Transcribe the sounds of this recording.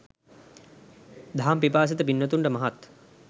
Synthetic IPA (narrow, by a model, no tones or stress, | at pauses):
d̪ʱaɦampip̬aːs̬it̪əpinːət̪uɳʈəmɐɦat̪